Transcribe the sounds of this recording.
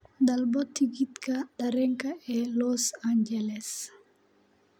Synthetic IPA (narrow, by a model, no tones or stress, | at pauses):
dalbɔtiɡitkadaɾɛŋkaɛlɔsaɲd͡ʒɛlɛs